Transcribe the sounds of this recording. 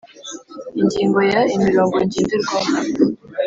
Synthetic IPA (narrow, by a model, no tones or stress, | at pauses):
iɲɟiːŋɡojaimiɾoːŋɡoiɲɟiːniɾɡo